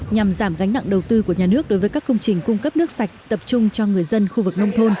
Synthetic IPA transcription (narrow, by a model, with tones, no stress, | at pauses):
ɲa˨˩mzaː˧˩mɣa˨˦ŋ̟na̰˧˨ŋɗə˨˩wt̪ɨ˧ku˧˩əɲaː˨˩nɨ˦˥ək̚ɗo˨˦jvəː˨˦jkaː˦˥kːə˧wŋ͡mt͡ɕï˨˩ŋ̟kʊ˧ŋ͡mkə˦˥p̚nɨ˦˥ək̚sa˨˩jk̟̚t̪ə˨˩p̚t͡ɕʊ˧ŋ͡mt͡ɕɔ˧ŋɨ˨˩əjzə˧nxu˧vɨ˨˩k̚nə˧wŋ͡mt̪ʰo˧n